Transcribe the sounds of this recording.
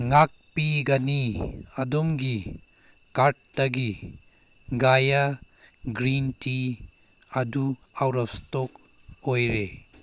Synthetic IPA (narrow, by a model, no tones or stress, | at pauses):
ŋak̚piɡɐniɐdomɡi | kaɾt̚dɐɡi | ɡaja | ɡɾinti | ɐdu | awɾɐpstok | ojɾe